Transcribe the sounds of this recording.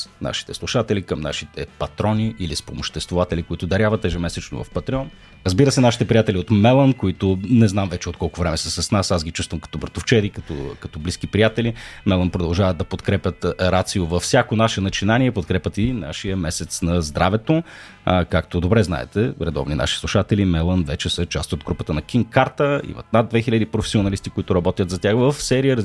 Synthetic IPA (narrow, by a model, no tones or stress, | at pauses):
sna̰ʃi̥t̪ɛslˠuʃat̪ɛlikəmnaʃit̪ɛpɐt̪ɾɔniʔːlispomoʃt̪ɛst̪vovat̪ɛlikoit̪ʊd̪ɐɾʲavɐt̪ːɛʒɛmɛsɛt͡ʃno̰vɐ̰fpɐt̪ɾiɛɔn | ɾəzbiɾəsɛnaʃit̪ɛpɾijat̪ɛliot̪mɛlˠənkoit̪ʊnɛznamvɛt͡ʃɛot̪̚kɔlˠkʊvɾɛmɛsɛsɐsnasazɡit͡ʃust̪vəmkɐ̥t̪ɔbəɾt̪oft͡ʃɛd̪ikɐt̪ɔ̰kɐt̪ɔbliskipɾijat̪ɛlimɛlˠənpɾod̪ɐlˠʒavət̪d̪ɐpot̪kɾɛpʲət̪ɾat̪siʊvɐfsʲjakonaʃɛnɐt͡ʃinaniɛpot̪̚kɾɛpʲət̪ina̰ʃijəmɛsɛt̪snɐzd̪ɾavɛt̪o | kakt̪od̪obɾɛzna̰ɛ̰t̪ɛɾɛd̪ɔ̰vninʔa̰ʃi̥slˠuʃat̪ɛlimɛlˠənvɛt͡ʃɛsət͡ʃast̪od̪ɡɾupət̪ənɐkʲinkaɾt̪əḭmɐ̰t̪nad̪̚d̪vɛxilʲəd̪ipɾofɛ̥sionɐlist̪ikʊit̪ʊɾɐbɔt̪jət̪zɐt̪ʲjaxvəfsɛɾijəɾ